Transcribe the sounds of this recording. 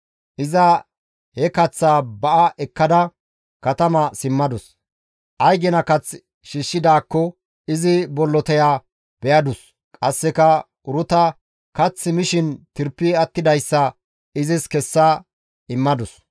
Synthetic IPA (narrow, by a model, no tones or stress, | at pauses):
ʔɪzɐ | hɛkɐt͡sːaːbɐʔɐʔɛkːɐd̪ɐ | kɐt̪ɐmɐsɪmːɐd̪ʊs | ʔɐjɡɛnɐkɐt͡s | ʃɪʃːɪd̪aːkːɔ | ɪzɪbɔlːɔt̪ɛjaː | b̥ɛjɐd̪ʊs | kʼɐsːɛkɐ | ʊɾʊt̪ɐ | kɐt͡sːɪmɪʃɪnt̪ɪɾpːɪɐt̪ːɪd̪ɐjsːɐ | ɪzɪskɛsːɐ | ɪmːɐd̪ʊs